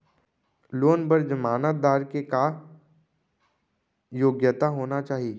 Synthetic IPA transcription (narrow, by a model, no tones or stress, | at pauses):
loːnbəɾd͡ʒəmaːnət̪̚d̪aːɾkeka | joːɡjət̪aɦoːnat͡ʃaːɦie